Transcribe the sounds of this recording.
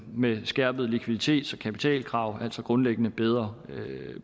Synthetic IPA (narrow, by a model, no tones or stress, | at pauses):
mesɡ̥æɐ̰b̥ð̩ˠlikʰʋiðˠit͡sʰe̝̰ːd̥sɒ̽kʰæpi̥t͡sʰɛ̰ːlkʰʁɑ̈ʊ̰æl̰sɒ̽ɡ̥ʁɔ̽nleɡ̥ənəb̥eð̞ˠʁɐ